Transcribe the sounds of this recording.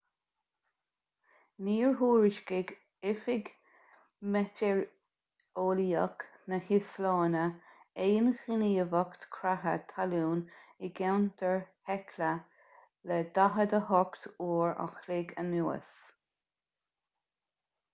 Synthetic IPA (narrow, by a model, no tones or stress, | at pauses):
niːɹɦuːɹɪʃkɪɡ | ɪfɪɡ | mɛtɛɹ | oːliək | nəhɪslɑːnəejənxiniːəvəkt̪kʰɾaɦə̰t̪ʰaluːnɪɡɛwnd̪əɹhɛkʰlə | lɛd̪̥aɦəd̪əhɔkt̪uːɹa̰xlɪɡə̰nuːə̰s